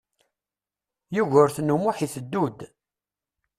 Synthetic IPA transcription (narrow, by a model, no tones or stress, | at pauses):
juʝəɾθnːumʊħiθəd̪ːud̪